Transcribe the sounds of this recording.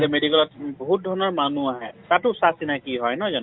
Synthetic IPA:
lɛmedikɛlɔt̚bɔɦut̚dʱɔɹnɔɹmanuaɦɛtatʊsasinajkiɦɔjnɔzɔn

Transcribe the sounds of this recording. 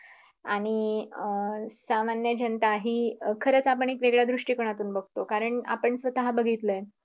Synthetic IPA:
aɽ̃i | samanjəd͡ʑənt̪aɦiːkʰəɾət͡sapəɳekʋeɡɭjad̪ɾuʂʈiːkəɳ̃at̪uːnbəɡʱt̪okaɾəɳa̰pəɳsʋət̪aɦabəɡʱit̪ləj

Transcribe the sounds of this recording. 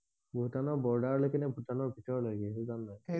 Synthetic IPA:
bʱutanɔɹbɔɹdaɹlojkɛnɛbʱutanɔɹbʱitɔɹlaɡiɛtuzannaj

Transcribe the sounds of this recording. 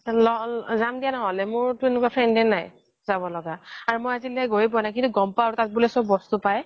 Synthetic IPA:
lɔzamdijanɔɦɔlɛmʊɹtʊenʊkapʰɹɛndɛnaj | zabɔlɔɡaaɹumojazilɛɡoɹipɔnajk̬intuɡɔmpatat̚bulɛsɔbbɔstupaj

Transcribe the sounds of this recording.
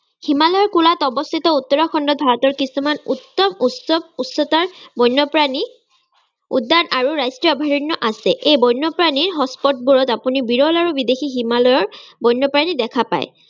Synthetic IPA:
himalɔjɔɹkulatɔbɔst̪ʰitɔutːɔɹaxɔndɔt̚bʱaɹɔtɔɹkisumanutːɔmusɔbutsɔtaɹbɔjnːɔpɹani | ṵdːanaɹuɹajstɹiɔɔbʱaɹɔnjɔʔasɛʔejbɔjnːɔpɹaniɹɦɔspɔt̚buɹɔtapunibiɹɔlaɹubidexiɦimalɔjɔɹbɔjnːɔpɹanidɛkʰapa̰j̰

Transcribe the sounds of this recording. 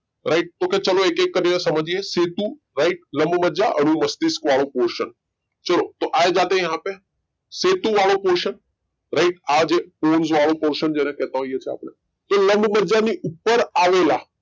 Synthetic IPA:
ɾaɪʈ̚t̪oːkʰet͡ɕɐloeːkeːkːəɾeɾasɐməd͡ʑiɦeseːt̪ũ | ɾaɪʈ̚lɐ̃mbməɾd͡ʒaʔɐn̤ũmɐst̪ɪskʋaːɭopoːɾʃən | t͡ʃɐlot̪oʔaːed͡ʒaːt̪ẽjɐɦãpe | seːt̪ũʋaːɭopoːɾʃən | ɾaɪʈaːd͡ʑeːpoːnzʋaːɭopoːɾʃənd͡ʑeːnẽkɛːt̪ãɦoiət͡ɕʰea̰ːpne | t̪olɐ̃mbməɾd͡ʒaniʔʊpːəɾaːʋela

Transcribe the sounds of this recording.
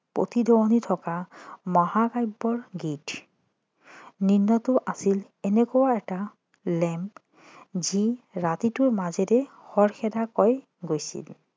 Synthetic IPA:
po̰t̪idʱɔwɔnitʰɔkamɔhakajbːɔɹɡit | ninːɔtʊʔasil | ɛnɛkɔwaɛta | lɛm | ziɹatitʊɹmazɛɾɛ | xɔɹxɛdakɔj | ɡojsḭl

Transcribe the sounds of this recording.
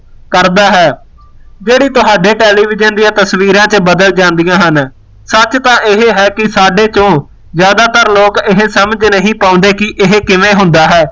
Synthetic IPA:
kəɾd̪aːɦɛː | d͡ʒeːɽiːt̪ʊɦaːɖeːʈɛːliːʋɪd͡ʒənd̪ijãːt̪əsʋiːɾãːt͡ʃəbəd̪əld͡ʒãːnd̪ijãːɦən | sət͡ʃt̪ãːʔɪɦɦɛːkɪsaːɖeːt͡ʃõː | zjaːd̪aːt̪əɾloːkɪɦesəməd͡ʒnəɦĩːpaːʊ̃ːnd̪eːkɪʔɪɦkɪʋẽːɦʊ̃nd̪aːɦɛː

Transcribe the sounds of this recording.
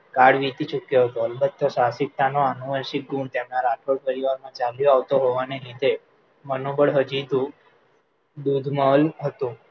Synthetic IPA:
kaɽʋit̪it͡ʃukjoɦət̪oəlbət̪ːəʃasɪk̚t̪ʰanoanuʋəʃik̚ɡuɳt̪emnãɾaʈʰoɽpəɾiʋaɾmãt͡ʃaljoaʋt̪oɦoʋanelid̪ʱe | mənobəɽɦəd͡ʒid̪ũ | d̪ud̪ʱməlɦət̪ũ

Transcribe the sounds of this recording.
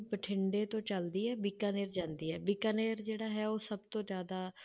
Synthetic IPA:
pəʈʰɪɳɖeːt̪õːt͡ʃəld̪iːɛːbɪkaːneːɾd͡ʒãːnd̪iːɦɛːbɪkaːneːɾd͡ʒeːɽaːɦɛːoːsəbt̪õːd͡ʒjaːd̪aː

